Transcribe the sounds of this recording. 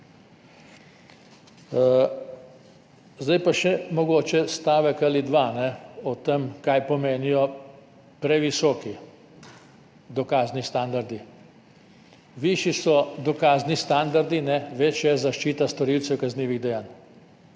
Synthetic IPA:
zd̪ajpaʃɛmɔɡoːt͡ʃɛst̪aːʋəkalid̪ʋanɛɔt̪əmkajpɔmeːnijɔ | pɾɛʋisɔːki | d̪ɔkaːznist̪and̪aɾd̪i | ʋiʃisɔd̪ɔkaːznist̪and̪aɾd̪inɛʋet͡ʃjazaʃt͡ʃiːt̪ast̪ɔɾiwt̪sɛwkazniːʋiɣd̪ɛjaːn

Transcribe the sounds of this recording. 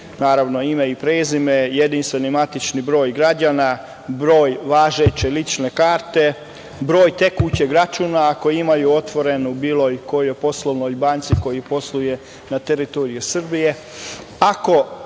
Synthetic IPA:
naːɾaʋno̞imaipɾeːzimejed̪inst̪ʋe̞nimat̪it͡ʃnibɾo̞ːjɡɾad͡ʑaːna | bɾo̞ːjʋaːʒet͡ʃe̞lit͡ʃne̞kaːɾt̪e̞ | bɾo̞ːjt̪e̞kut͡ɕeɡɾat͡ʃuːnaːkojimajuo̞t̪ʋo̞ɾe̞nubiːlo̞jko̞jojpo̞slˠoʋnojbaːnt̪siko̞jipo̞slˠuje̞ | nat̪eɾit̪oɾijusr̩bije̞ | ako̞

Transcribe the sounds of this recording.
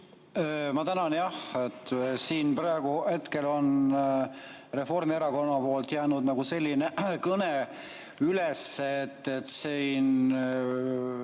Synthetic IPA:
mɑt̪ænɑnjɑhet̪ːsiːnprɑeɡ̥uhe̞t̪ke̞lo̞n | re̞fo̞rmieɾɑko̞nːɑpo̞ːlt̪jæːnud̪nɑɡuse̞lʲːinekɤne | yleseet̪ˑːet̪sin

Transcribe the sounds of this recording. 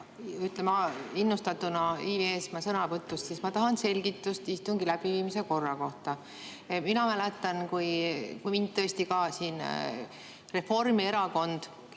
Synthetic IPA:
yt̪ˑlemɑinːust̪ɑt̪ːunɑiːvesmɑsɤnɑpɤt̪ːˑust̪sismɑt̪ɑɦɑnse̞lʲɡit̪ːˑust̪ist̪uŋɡ̥ilæb̥iviːmise̞ko̞rːɑko̞ht̪ɑ | minɑmælɛt̪ːˑɑnkujkujmind̪t̪̚t̪ːɤest̪ikɑːsiːn | re̞fo̞rmie̞ɾɑko̞nd̪̥

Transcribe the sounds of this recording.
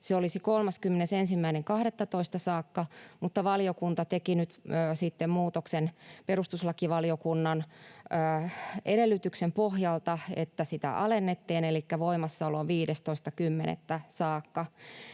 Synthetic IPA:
seolisikolmɑskymːenesensimːæineŋkɑhɾet̪ːɑt̪oist̪ɑsɑːkːɑmut̪ːɑʋɑliokunt̪ɑt̪ekinyt̪ːsit̪ːemmuːt̪oksenperust̪uslɑkiʋɑliokunːɑnː | ʔeɾelːyt̪yksempohjɑlt̪ɑet̪ːæsit̪æ̰ʔɑlenːet̪ːiːnelikːæʋoimɑsːɑoloʋʋiːdest̪oist̪ɑkymːenḛt̪ːæsɑːkːɑ

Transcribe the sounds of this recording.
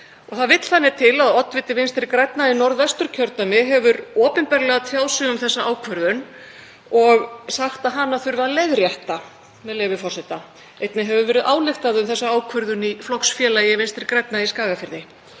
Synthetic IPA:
ɔɣθaðvɪt̪l̥θanːɪt̪ʰɪlaðɔt̪vɪt̪ːɪvɪnst̪ɪɾkɾɛjt̪nainɔɾðvɛst̪ʏɾ̥cʰœɾt̪amɪɦɛvʏɾɔːpɪnpɛɾlɛɣat̪ʰjaːwsɪʏmθɛsːaaːwkʰvœɾðʏn | ɔɣsaxt̪aðɦanːaθʏɾvaðleðɾjaht̪a | mɛðlɛːvʏfɔr̥sɛt̪a | ejt̪nɪɦɛvʏɾvɛːɾɪðʔaːwlɪft̪aðʏmθɛsːaaːwkʰvœɾðʏniflɔksfjɛːlajɪvɪnst̪ɪɾkɾɛjt̪̚naiskaːɣafɪɾðɪ

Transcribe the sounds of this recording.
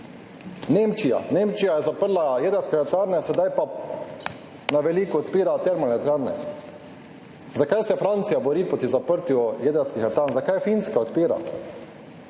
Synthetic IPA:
neːmt͡ʃija̰neːmt͡ʃijajɛzapəɾlajed̪ɛɾwskɛɛɾt̪aɾnɛsɛd̪ajpa | naʋɛliːkuɔt̪piːɾat̪ɛɾmɔnɛt̪aɾnɛ̰ | zakajsɛfɾant̪sijabɔɾiːpɔt̪izapəɾt̪jjed̪ɛwskixɛɾt̪aɾnzakajfinskaɔt̪piːɾa̰

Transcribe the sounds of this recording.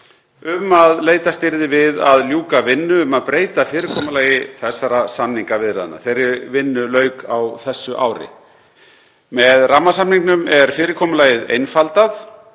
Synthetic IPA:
ʏmaðleːjt̪ast̪ɪɾðɪvɪðaðljuːkavɪnːʏʏmaðpɾeːjt̪afɪːɾɪkʰɔːmalaːjɪθɛsːaɾasamniŋkavɪðɾaða̰nːa̰θejɾɪvɪnːʏlœːɥkawθɛsːʏʔa̰ːwɾɪ̰ | mɛðramːasamniŋknʏmɛɾ̥fɪːɾɪkʰɔːmʏlaːjɪðḛjnfalt̪aθ

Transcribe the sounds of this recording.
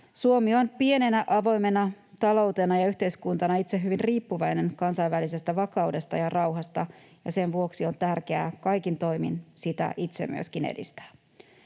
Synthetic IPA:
suomio̞npie̞ne̞næʔɑʋo̞jme̞nɑ | t̪ɑlo̞wt̪e̞nɑjɑyht̪e̞iskunt̪ɑnɑit̪se̞ɦyʋinriːpːuʋɑjne̞ŋkɑnsɑiʋʋælise̞st̪æʋɑkɑude̞st̪ɑ̰jɑrʔɑwɦɑst̪ɑ | jɑ̰se̞nʋuo̞ksio̞nt̪ærke̞æ̰kɑjkint̪o̞jmḭnsit̪æ̰ʔit̪se̞̰my̰øskinḛdḭst̪æ̥ː

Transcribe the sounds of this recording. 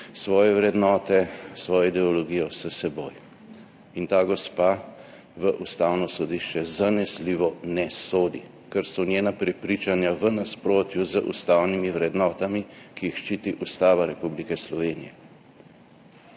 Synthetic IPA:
sʋɔːjɛʋɾɛd̪nɔːt̪ɛsʋɔːjɔid̪ɛɔlɔɡijɔsəsɛboːj | int̪aːɡɔspa | ʋəʔust̪aːwnɔsɔd̪iʃt͡ʃɛzanɛsliːʋɔnɛsoːd̪i | kəɾsɔnjeːnapɾɛpɾiːt͡ʃanjaʋənaspɾoːt̪juzəʔṵst̪awnimiʋɾɛd̪nɔːt̪amikiixʃt͡ʃiːt̪iʔust̪aːʋaɾɛpublikɛslɔʋeːnijɛ

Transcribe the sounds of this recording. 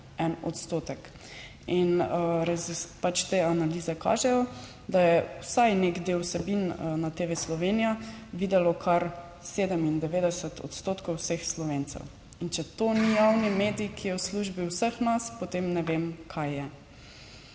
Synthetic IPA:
ɛnɔ̰t̪st̪oːt̪ɛk | inəɾazipat͡ʃt̪eːanaliːzɛka̰ːʒɛjɔ | d̪ajɛwsajneɡd̪elwsɛbinnat̪eːʋɛslɔʋeːnijaʋiːd̪ɛlɔkʰaɾ | seːd̪ɛmind̪ɛʋeːd̪ɛsət̪ʰɔ̰t̪st̪oːt̪kɔwsəxslɔʋeːnt̪sɛ̰w | int͡ʃɛt̪oːnijawnimeːd̪iikʰijɛwsluʒbiwsəxnaspot̪emnɛʋemkʰajːɛ

